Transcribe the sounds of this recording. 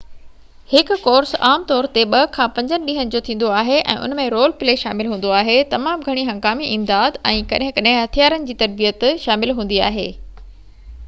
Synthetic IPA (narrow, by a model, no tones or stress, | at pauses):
hɪkʊ̆kɔːɾsaːmt̪ɔːɾt̪eɓɐkʰãːpɐ̃ɲd͡ʑənɪ̆ɗĩɦənɪ̆d͡ʑoːt̪ʰĩːn̆d̪oaːɦeʔɛ̰̃ːʔʊ̰n̤mẽɾoːlpɪleːʃa̰ːmɪlɦũːn̆d̪oaːɦet̪ɐmaːmɡʱɐɽ̃iɦɐ̃ŋɡaːmiʔɪmd̪aːd̪ɛ̃ːkɐɗɦɪ̃kɐɗɦɪ̃ɦɐt̪ʰijaːɾənɪ̆d͡ʑiːt̪ɐɾbijət̪ʃaːmɪlɦũːn̆d̪ia̰ːɦḛː